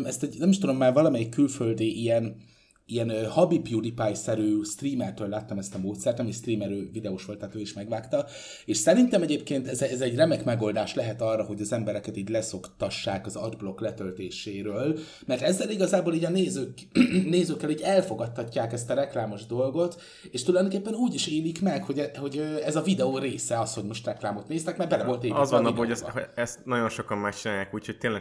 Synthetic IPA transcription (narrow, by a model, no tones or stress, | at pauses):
mɛst̪ɛɟnɛmiʃt̪ud̪o̞mːaːrvɒlɒmɛjikːylføld̪iːʔijɛn | iɛnhɒbibjud̪ipajsɛɾyːst̪riːmɛrt̪øːlːaːt̪ːɒmɛst̪ɒmoːt̪sɛrt̪nɛmist̪riːmɛɾøːvid̪ɛoʃʋo̞lt̪ːaːt̪øːiʃmɛɡʋaːkt̪ɒ | eːʃsɛɾint̪ɛmɛɟeːp̚keːnt̪ɛzɛzɛɟrɛmɛkmɛɡo̞ːld̪aːʃlɛɦɛt̪ɒrːɒɦo̞ɟɒzɛmbɛɾɛkɛt̪iːɟlɛso̞kt̪ɒʃːaːkɒzɒ̰d̪blo̞klɛt̪ølt̪eːʃeːɾøːl | mɛrt̪ɛzːɛliɡɒzaːboːliːɟɒneːzøːkneːzøːkːɛliːɟɛlfo̞ɡɒt̪ːɒcːaːkɛst̪ɒɾɛklaːmo̞ʒd̪o̞lɡo̞t̪ | eːʃt̪ulɒjd̪ookeːpːɛnuːɟiʃeːlikmɛkho̞ɟɛho̞ɟøɛzɒvid̪ɛoːɾeːsɛɒsho̞ɟmo̞ʃt̪rɛklaːmo̞t̪neːst̪ɛkmɛrbɛlɛvo̞lt̪eːzvɒnːɒboɛɛst̪nɒɟo̞nʃo̞kɒmmakt͡ʃinaːjaːkuːchoc̚t̪eːnlɛ